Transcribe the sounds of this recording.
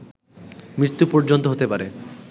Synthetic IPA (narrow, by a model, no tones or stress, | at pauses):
mɾit̪ːupɔɾd͡ʑont̪oɦot̪epaɾe